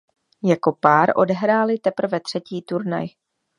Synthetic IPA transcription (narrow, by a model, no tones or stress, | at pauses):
jako̞paːɾʔo̞̰dɛɦɾaːlɪt̪ɛpr̩vɛt̪r̝̥ɛciːt̪uɾna̰j